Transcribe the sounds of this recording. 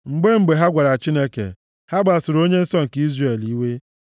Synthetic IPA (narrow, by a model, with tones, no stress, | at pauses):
ŋ͡m̩˨ɡ͡be˦ŋ͡m̩˨ɡ͡be˨ɦa˦ɡʷa˨ɾa˨t͡ʃi˦ne˦kḛ˨ | ha˦ɡ͡ba˨sʊ˨ɾo˦ɲe˦n̩˦sɔ˦ŋ̩˨ki˦zre˨li˦we˦